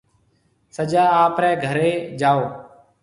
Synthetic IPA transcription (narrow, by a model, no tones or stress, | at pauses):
səd͡ʒaːaːpɾɛːɡʱəɾeːd͡ʒaːoː